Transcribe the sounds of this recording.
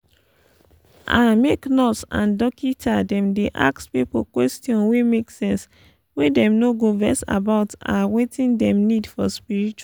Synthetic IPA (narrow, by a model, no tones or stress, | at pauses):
ʔãmeknɔtsã̰ndɔkʰitʰadɛ̃mdeʔa̰kspipo̰kwɛstjɔ̃nwemeksɛ̃ns | wedɛ̃mnoɡovɛsa̰baʊtãwetĩndɛ̃mnidfɔspiɹit͡ʃ